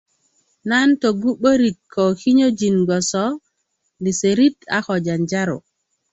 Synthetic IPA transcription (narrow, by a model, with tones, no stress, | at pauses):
nanto˨ɡu˦ɓo˦ɾi˨kʰːɔ˨ki˦ɲo˦d͡ʒi˨nɡɔ˨sɔ˦ | ndi˨se˨ɾi˦ta̰˦xɔ˨d͡ʒa˨nd͡ʒa˦ɾo̰˨